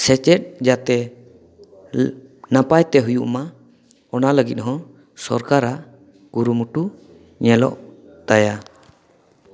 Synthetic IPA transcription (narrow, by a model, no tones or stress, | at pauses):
sɛt͡ʃɛt̪̚d͡ʒat̪ɛ | napajt̪ɛɦujuʔma | ɔnaləɡit̪̚ɦɔ̃ | sɔɾkaɾaʔ | ɡ̥uɾumuʈu | ɲɛlɔ̰ʔ | t̪aja